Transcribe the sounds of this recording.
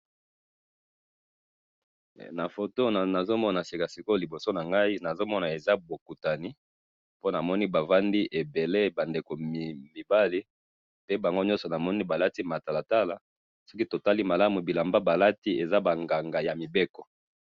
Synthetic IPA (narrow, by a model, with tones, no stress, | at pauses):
na˨fo˨to˦n˨na˨zo˦mɔ˦na˨si˨ka˨si˨ko˦li˨bo˨so˦na˨ŋɡa˦i˦na˨zo˦mɔ˦na˨e˨za˦bo˨ku˨ta˨ni˦ | po˦na˨mɔ˦ni˦ba˨va˦ndi˦ʔe˨be˨le˦ba˨nde˨ko˨mi˨ba˦li˦ | pe˦ba˨ŋɡo˦ɲɔ˦sɔ˨na˨mɔ˦ni˦ba˨la˦ti˦ma˨ta˨la˨ta˦la˨ | so˦ki˦to˨ta˦li˦ma˨la˦mu˨bi˨la˨mba˦ba˨la˦ti˦e˨za˦ba˨ŋɡa˨ŋɡa˨ja˨mi˨be˦kɔ˨